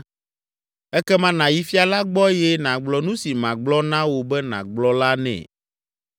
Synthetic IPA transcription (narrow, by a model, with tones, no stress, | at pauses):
ɛ˦kɛ˦mã˦nã˨ji˦fi˦a˨la˦ɡ͡bɔ˦jɛ˦nã˨ɡ͡blɔ˨nũ˦si˨mã˨ɡ͡blɔ˦nã˦wo˨bɛ˦nã̰˨ɡ͡blɔ˦la˦nɛ̰̃˨